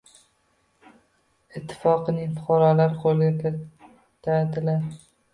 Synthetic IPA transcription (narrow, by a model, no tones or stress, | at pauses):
ɪt̪ʰːɪ̥fɒqɨnɪŋfʊqɑɾɒlaɾqʰolˠɡʲakʰʲɪ | t̪ʰad̪ɪlaɾ